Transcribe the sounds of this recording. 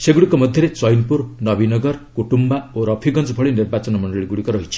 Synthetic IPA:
seɡuɽikomʌd̪ʱjeɾet͡sʌjnpurnʌbinʌɡʌrkuʈumbaoɾʌpʰiɡʌnt͡spʰʌɭinirbat͡sʌnmʌɳɖʌɭiɡuɽikoɾʌɦit͡sʰi̥

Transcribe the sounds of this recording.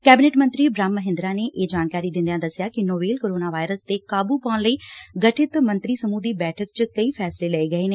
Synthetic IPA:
kɛːbɪneːʈmɐ̃nt̪ɾibɾaːmːɐɦɪ̃nd̪ɾaneʔeːd͡ʒaːnkaːɾid̪ɪ̃nd̪ijãd̪ɐsɪjakinoːbeːlkoːɾoːnaʋaːɪɾəst̪ekaːbupaːɽ̃ləiːɡɐʈʰɪt̪mɐ̃nt̪ɾisɐmud̪ibɛːʈʰək̚t͡ɕkɐifʰɛːslelɐeɡɐeːneː

